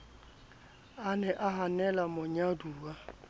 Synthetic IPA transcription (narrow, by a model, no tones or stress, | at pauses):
anɛʔaɦanɛlamʊɲaduːwa